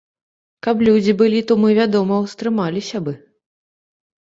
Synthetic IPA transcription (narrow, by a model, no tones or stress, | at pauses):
kɐplʲud͡zʲibɨlʲit̪ɔmɨvʲad̪ɔmɐwst̪ɾɨmalʲisʲɐbɨ